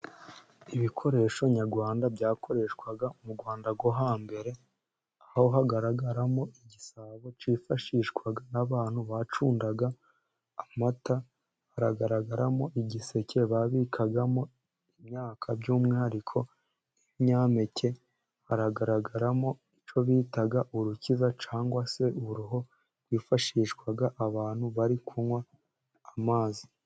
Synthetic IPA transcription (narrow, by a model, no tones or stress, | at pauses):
iβikʰo̞ɾe̞ːʃo̞ɲaɡwaːndabɟaːko̞ɾe̞ːʃkwaɡaumuɡwaːndaɡwoɦaːmbe̞ɾe̞ | ahho̞ɦaɡaɾaɡaɾamo̞ʔiɟisaβo̞t͡ʃifaʃiʃkwaɡanaβaːn̥huβat͡ʃuːndaɡaː | mata | haɾaɡaɾaɡaɾamo̞ʔiɟise̞cʰe̞βaβikʰaɡamo̞ | imɲaːkʰabɟuːmŋiaɾikʰo̞ | niβiɲaːme̞cʰe̞ | haɾaɡaɾaɡaɾamo̞it͡ʃo̞βitaɡaʔuɾucizat͡ʃaːŋɡwase̞uɾuɦo̞̥ | wiːfaʃiːʃɡwaɡaʔːβaːn̥huβaɾikʰunwaː | maːzi